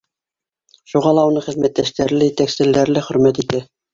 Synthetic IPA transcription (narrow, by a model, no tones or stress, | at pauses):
ʃuʁɑlˠɑunɤχɘ̆ðmæt̪ːæʃt̪æɾlɘjɘ̆t̪æksɘ̆lːæɾlɘχɵ̆ɾmæt̪it̪æ